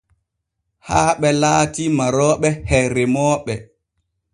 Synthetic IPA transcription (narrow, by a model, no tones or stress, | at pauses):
haːɓɛlaːtimaɾɔːɓɛhɛɾɛmɔːɓɛ